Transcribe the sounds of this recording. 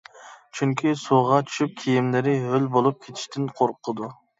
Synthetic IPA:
t͡ʃʰyŋkʲʰisoʁɑt͡ʃʰy̥ʃyp̚kʲʰijimlɪɾɪɦølbolˠup̚kʲʰet̪ʰɪ̥ʃt̪ʰɪnqʰoɾqʰːəd̪u

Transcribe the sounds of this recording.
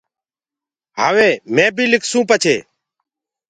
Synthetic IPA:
ɦaːʋeːmẽːbʱiːlɪkʰsũːpət͡ʃʰeː

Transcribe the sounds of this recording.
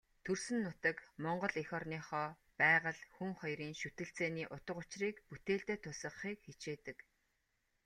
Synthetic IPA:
t̪ʰɵrsɘ̆nːʊt̪ə̆kmɔɴɢɞ̆ɮexɔrniːχɔː | pæːʁə̆ɮxuŋχɔjɾiːŋʃut̪ɘ̆ɬt͡seːniːʔʊt̪ə̆qʊt͡ɕriːkput̪eːɮt̪eːt̪ʰʊsə̆χχiːkxet͡ɕeːt̪ɘ̆k

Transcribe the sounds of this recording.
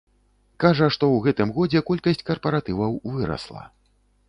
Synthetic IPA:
kaʐɐʂt̪ɔwɣɛt̪ɨmɣɔd͡zʲɛkɔlʲkɐsʲt͡sʲkɐrpɐɾat̪ɨvɐwvɨɾɐ̰slˠɐ̰

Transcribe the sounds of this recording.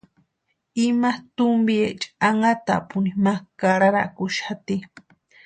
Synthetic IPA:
imat̪umbiet͡ʃʼaŋat̪a̰ʔpunimakaɾaɾa̰kuʃat̪i

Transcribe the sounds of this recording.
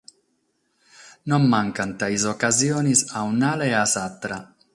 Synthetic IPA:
nommaŋkant̪aizokazjoːnisawnaleasat̪ːɾa

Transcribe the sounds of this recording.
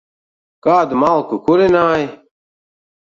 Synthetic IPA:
kaːd̪maːlkukuɾenaːj

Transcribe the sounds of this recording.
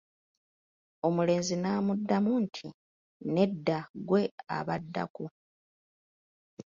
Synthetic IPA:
o̞mule̞ːnzinaːmudːamuntʰi | ne̞dːaɡwe̞a̰βadːa̰ku

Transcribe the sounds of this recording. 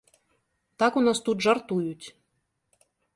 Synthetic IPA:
t̪ɑkunɑst̪ut̪ʒart̪ujutʲ

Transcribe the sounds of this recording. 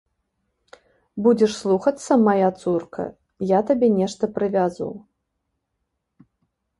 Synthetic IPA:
bud͡zʲɛʂslˠuxɐt̪sːɐmajat̪surkʰɐ̰ | jat̪abʲɛnʲɛʂt̪ɐpɾɨvʲazṵw

